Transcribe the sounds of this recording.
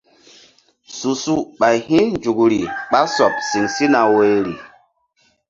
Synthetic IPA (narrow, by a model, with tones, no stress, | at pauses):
su˨su˦ɓa˨jhĩ˦nd͡ʒu˨kɾi˨ɓa˦sɔ˨p̚si˨ŋsi˦na˨we˨˦ɾi˨